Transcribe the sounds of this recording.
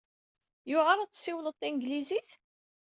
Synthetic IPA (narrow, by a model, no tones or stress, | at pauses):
jʊʁaɾˤat͡sːsiwlət̪ˤːinɡliziθ